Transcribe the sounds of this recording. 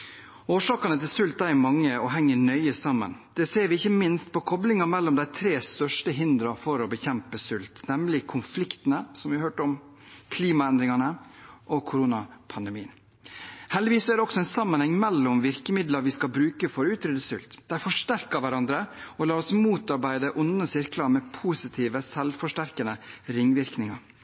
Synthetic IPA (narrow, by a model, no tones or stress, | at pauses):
oːʂɑːkɑnət̪ʰɪlsʉlt̪ːæɾæmɑŋːəɔɦɛŋːəɳœʏəsɑmːə̰nd̪̥ɛseːɾʋɪɪçːəmɪnst̪̚pʰɔkʰɔblɪŋɑmɛlːɔmd̪æɪt̪ʰɾeːst̪œʂʈəɦɪnd̪ɾɑfɔɾɔbəçɛmpəsʉlt̪nɛmlɪkʰʊnflɪkt̪ənəsɔmʋɪɑɾhøːʈəɔm | kʰliːmɑɛnd̪ɾɪŋɑnəʔɔkʰʊɾuːnɑpʰɑnd̪əmiːən | hɛld̪ɪʋiːsːɔæɖɛɔksɔɛnsɑmːənhɛŋːmɛlːɔmʋɪɾkəmɪd̪lɑɾʋɪskɑlbɾʉːkəfɔɾʉːt̪ɾyːd̪əsʉ̰lt̪d̪̥æɪfɔʂʈæɾkəɾʋæɾɑnd̪ɾəɔlɑːɾɔsmuːt̪ɑɾbæɪd̪əʔʊnəsɪɾklɑmɛpʰuːsɪt̪ʰiːʋəsɛlʋfɔʂʈæɾkənəɾɪŋːʋɪɾknɪŋɑ